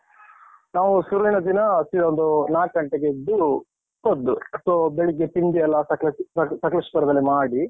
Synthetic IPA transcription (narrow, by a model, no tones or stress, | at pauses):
naːʋusuɾinɐd̪inɐsiɾond̪unaːʈ̚ɡɐɳʈeɡed̪ːu | pod̪ːusoːbeɭik̬ːet̪ind̪iɐlːɐsɐkɐsɐkɐlɐʂpɐɾɐd̪ɐlːimaːɽi